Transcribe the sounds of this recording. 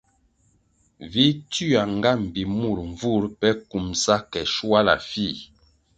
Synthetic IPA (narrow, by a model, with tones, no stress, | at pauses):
vi˦ty˦a˨ŋ˨ɡa˦m̩˨bi˨mu˦˨ɾɱ˨vu˦ɾpɛ˦ku˨msa˦kɛ˨ʃwa˦la̰˨fi˦˨